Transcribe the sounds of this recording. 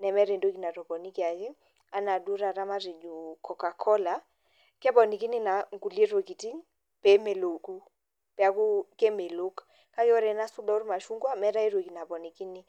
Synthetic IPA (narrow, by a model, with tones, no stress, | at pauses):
nɛ˨mɛ˦ɾɛ˨ndo˦ki˦na˨tɔ˨pɔ˨ni˦ki˦a˨ki˦ | a˦na˨du˦ɾa˨ɾa˦ma˦ɾe˨d͡ʒu˨kʰɔ˨ka˨kʰɔ˦la˨ | kɛ˦pɔ˨ni˨ki˦ni˦na˨ŋ˦ɡu˨le˦ɾo˨ki˨ti˦ | pɛ˨˦me˨lo˨ku˦ | pɛ˨a˨˦ku˦kɛ˦me˨lo˦k | ka˦kɛ˦ɔ˦ɾɛ˨na˦su˦da˦u˦ɾma˨ʃu˦ŋɡwa˦mɛ˦ɾa˦i˦ɾo˨ki˨na˨pɔ˨ni˨ki˦ni˦